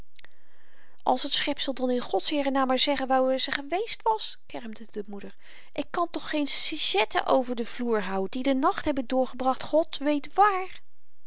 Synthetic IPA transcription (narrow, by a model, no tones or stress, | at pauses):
ʔɑ̰lˠsətsχɛpsəlˠdɑnɪnχɔtsɦɪːrənaːmaːɹzɛχənʋaːrəzəχəʋejstʋɑs | kɛɹmdədəmudəɹ | ʔɪkːɑntɔχːejnsiʒɛtʰə̰ʔowvəɹdəvluːɹɦawdidənɑχtɦɛbəndʊːɹχəbrɑχtχɔtʋejtʋaːr